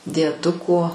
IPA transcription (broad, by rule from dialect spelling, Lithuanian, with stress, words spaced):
dʲiɛˈdʊkoː